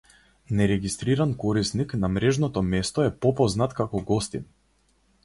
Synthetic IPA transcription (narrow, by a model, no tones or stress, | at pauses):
nɛɾɛɡist̪ɾiɾankɔɾisniknamɾɛʒnɔt̪ɔmɛst̪ɔɛpɔpɔznat̪kakɔɡɔst̪ḭn